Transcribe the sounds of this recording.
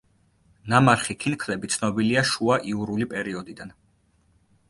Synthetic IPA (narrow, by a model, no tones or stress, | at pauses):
namaɾχikʰinkʰlɛbit̪sʰnɔbiliaʃuaʔiuɾulipʼɛɾiɔd̪id̪an